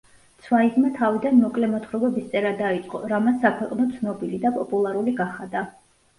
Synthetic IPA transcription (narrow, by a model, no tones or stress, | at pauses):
t̪sʰwaizmat̪ʰavid̪anmɔkʼlɛmɔt̪ʰχɾɔɡɛbist̪sʼɛɾad̪ait̪sʼqʼɔɾamasːakʰwɛqʼnɔt̪sʰnɔbilid̪apʼɔpʼulˠaɾuliɡaχad̪a